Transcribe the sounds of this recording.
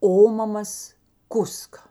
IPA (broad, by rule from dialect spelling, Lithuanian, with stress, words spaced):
ˈoːmɐmɐs ˈkʊskɐ